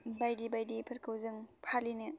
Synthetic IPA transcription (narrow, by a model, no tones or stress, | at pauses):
bajdibajdipʰɐɾkʰɯwzɯŋpʰalinɯ